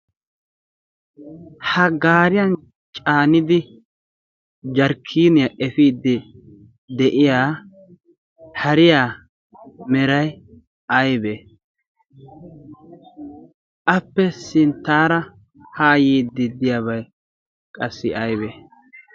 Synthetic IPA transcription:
hɐɡaːɾɪjɐn | t͡ʃʼaːnɪd̪ɪ | d͡ʒɐɾkʰːiːnɪjɐʔɛfiːd̪ːɪ | d̪ɛʔɪjaː | hɐɾɪjaː | mɛɾɐj | ɐjbɛ | ʔɐpːɛsɪnt̪ːaːɾɐ | haːjiːd̪ːɪd̪ɪjaβɐj | kʼɐsːɪʔɐjbɛ

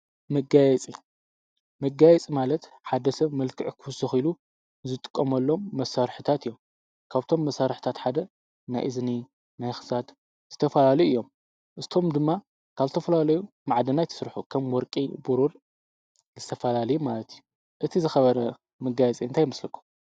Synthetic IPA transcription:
mɐɡajɛt͡sʼi | mɐɡajɛt͡sʼimalɐt̪ | ħad̪ɐsɐβmɐlkʰɨʕkʰuwsɨxilu | zɨt̪ʼɨ̥kʼːɐmɐlːo̞mːɐsaɾħɨt̪ʰat̪ɨjom | kʰaβt̪ʰo̞mːɐsaɾħt̪ʰat̪ħad̪ɐ | na̰jʔɨzni | najxɨ̥sat̪ | z̥ɨ̥t̪ʰɐfɐlalɐjuʔɨjːo̞m | ʔɨst̪ʰo̞md̪ɨmːa | kʰaβzɨt̪ʰɐfɐlalɐju | maʕd̪ɐnajt̪ʰɐ̥sɨɾħukʰɐmwɔɾkʼibuɾul | zɨt̪ʰɐfɐlalɐjumalɐt̪ju | ʔɨt̪ʰizɨxɐβɐɾɐ | mɐɡajɛt͡sʼiɨnt̪ʰajɪmɨslɐkʰːu̥m

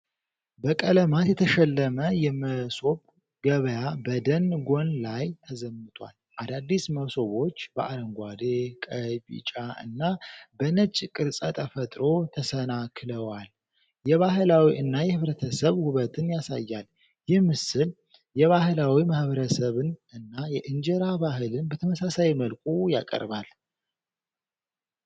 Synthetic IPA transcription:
bəkʼələmat̪jɛt̪ʰəʃɛlːəməjɛməso̞β | ɡəβəjabəd̪ənɡo̞nlajt̪ʰəzəmːɨt̪ʼwa̰lʔad̪ad̪ːisməso̞βo̞t͡ʃːbəʔaɾəŋɡʷad̪ekʼəbḭt͡ʃʼaʔɨ̰nːabənət͡ʃʼːkʼɨɾsʼət̪ʼʰəfət̪ʼɾo̞t̪ʰəsənakʰɨləwal | jɛβaɦɨlawiʔɨnːajɛhɨβɾət̪ʰəsəβhʊβət̪ʰɨnjasa̰jːal | jɪhmɨsɨl | jɛβahɨlawimahβəɾəsəβɨnɨnːajɛʔɨnd͡ʒɛɾaβaɦɨlɨnbət̪ʰəməsasajməlkʷʼuja̰kʼə̰ɾβal

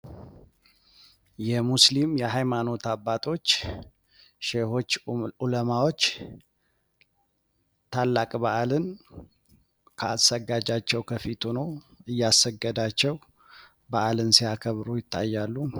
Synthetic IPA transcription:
jɛmuslimjɛɦajmano̞t̪abːat̪ʼʰo̞t͡ʃː | ʃeho̞t͡ʃːuləmawo̞t͡ʃː | t̪ʰalːakʼbaʔalɨn | kʰəasəɡad͡ʒat͡ʃːɛwkʰəfit̪ʰunoɨjːasəɡːəd̪at͡ʃːɛw | baʔalɨnsiakʰəβɾujɪt̪ʰːa̰jːalːu

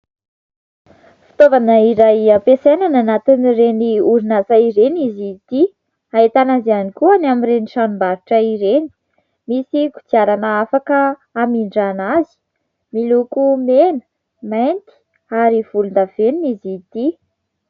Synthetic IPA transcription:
fi̥t̪ovanəiɾajapesenananat̪inireniuɾinazaiɾenizit̪i | aet̪anazianikuanamiɾeniʃanumbaɾuʈ͡ʂəiɾeni̥ | misiku̥t͡siaɾanəafakəːmiɳɖ͡ʐanazi̥ | milukumenə̥ | majnt̪i̥ | aɾiv̥ulund̪av̥eninizit̪i

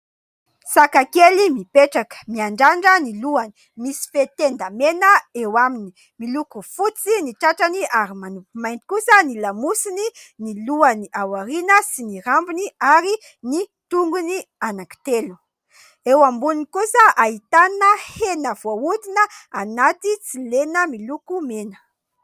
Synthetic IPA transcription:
sakakelimipeʈ͡ʂakə̥miaɳɖ͡ʐaɳɖ͡ʐəniluani̥ | misi̥fet̪end̪amenəewamini | milukufut͡siniʈ͡ʂaʈ͡ʂaniaɾimanupimajnt̪i̥kusənilamusininiluaniʔawaɾinəsiniɾambuniaɾi | nit̪uŋɡunianaki̥t̪elu̥ | ewambunnikusəʔaɦit̪anəhenəv̥oud̪inəanat̪it͡silenəmilukumenə̥

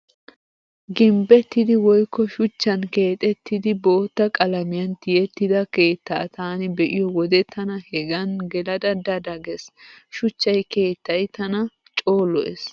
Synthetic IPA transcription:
ɡɪmbɛt̪ːɪd̪ɪwɔjkːɔʃʊt͡ʃːɐnke̞ːt̪ʼɛt̪ːɪd̪ɪbo̞ːt̪ːɐkʼɐlɐmɪjɐnt̪ɪjɛt̪ːɪd̪ɐke̞ːt̪ːa̰ːt̪ʰaːnɪbɛʔɪjɔwɔd̪ɛt̪ʰɐnɐhɛɡɐnɡɛlɐd̪ɐd̪ɐd̪ɐɡɛsʃʊt͡ʃːɐjke̞ːt̪ːɐjt̪ːɐnɐ | t͡ʃʼo̞ːlːɔʔɛs

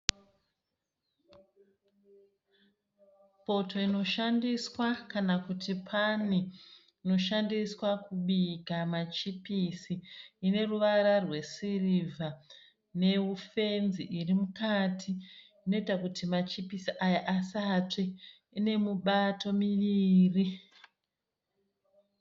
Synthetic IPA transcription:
po̞to̞ino̞ʃandiswakanakutipʰani | ino̞ʃandiswakuɓikamat͡ʃipisiːne̞ruʋaɾarwe̞sirivʱa | ne̞ufe̞nziʔirimukatʰiː | no̞itakutimat͡ʃipisiʔajaʔasatwe | ine̞muɓato̞miʋiːri

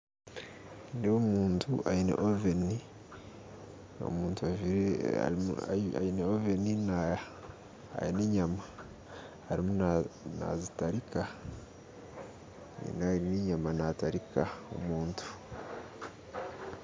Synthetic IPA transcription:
newomuːntʰuʔainḛʔoveni | o̰muːntuaviɾḛ | a̰ineovenina | a̰jineːɲama | haɾimunna̰zitaɾika | nḭnaineːɲamanataɾikao̰muːntʰu̥

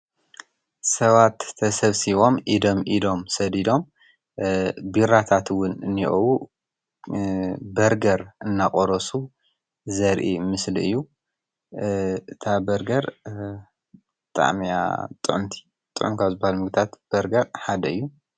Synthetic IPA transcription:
sɐβat̪ʰːɐsɐβsiβo̞mʔid̪o̞mʔid̪o̞msɐd̪id̪o̞m | biɾat̪ʰat̪wʊnɨnːiʔɐwu | bɐɾɡɐɾʔɨnːakʼoɾɐsu | zɐɾʔimɨslɨ̰jːu | ɨt̪ʰabɐɾɡɐɾ | bɨt̪ʼa̰ʕmia̰t̪ʼɨʕʊmt̪ʰi̥ | t̪ʼɨʔʊmkʰaβzɨbahalmɨɡt̪ʰat̪b̥ɐɾɡɐɾħad̪ɐɨjːu

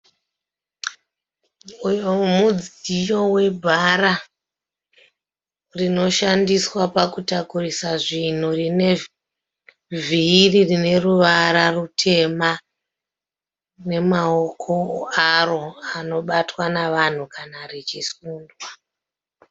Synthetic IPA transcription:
ujomud͡zijo̞we̞bʱaɾa | rino̞ʃandiswapakutakurisaʐin̤urine̞ | vʱiːririne̞ruʋaɾarutʰe̞ma | ne̞mao̞kʰo̞aro̞ano̞ɓatwanaʋan̤ukanarit͡ʃisuːndwa

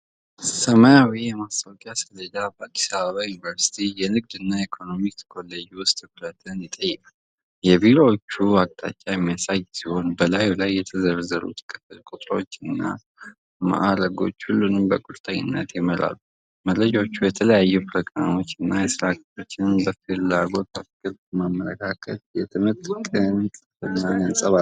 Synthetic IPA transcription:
səmajawijɛmast̪ʰʼawkʼiasəd̪əd̪abəad̪i̥saβəβajunivəɾsi̥t̪ʰijɛnɨɡ̚d̪ɨnːajikʰo̞no̞mit̪ʰə̥kʰo̞lːəd͡ʒwʊst̪ʼɨbɾət̪ʰɨnjɪt̪ʼːəjːɛkʼal | jɛbiɾoot͡ʃːuak̚t̪ʼa̰t͡ʃʼːajɛmːijasajsiho̞nbəlajulajːɛt̪ʰəzəɾzəɾṵt̪ʰkʰʼəfəlkʼut̪ʼɾo̞̰t͡ʃːɨnːa̰ | ma̰ʔaɾəɡo̞̰t͡ʃːhulːunɨmbəkʼuɾt̪ʰʼəɲːɪ̰nːət̪jɛməɾa̰lːu | məlɾəd͡ʒot͡ʃːujɛt̪ʰələjajːupʰɾo̞ɡɾa̰mo̞t͡ʃːɨnːajɛsɨɾakɾo̞t͡ʃːɪnmbəfɨlaɡo̞t̪afkʼɨɾmamːələ̰kʰakʰət̪jɛt̪ʰɨmət̪ʼkʼɨnt̪ | ɨnːanənsʼəβal

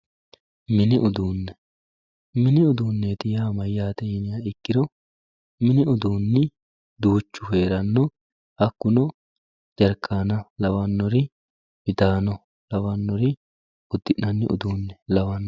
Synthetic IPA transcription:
mɪnɪʔʊd̪uːnːɛ | mɪnɪʊd̪uːnːet̪ɪjaːmɐjːaːt̪ɛjɪnɪjaɪkːɪd̪ɔ | mɪnɪʊd̪uːnːɪ | d̪uːt͡ʃːʊɦe̞ːɾɐnːɔ | hɐkːʊnɔ | d͡ʒɐɾkʰːaːnɐlɐwɐnːɔɾɪ | bɪd̪aːnɔ | lɐwɐnːɔɾɪ | ʊd̪ːɪnnɐnːɪ̰ʔʊ̰d̪uːnːɛlɐwɐnːɔ

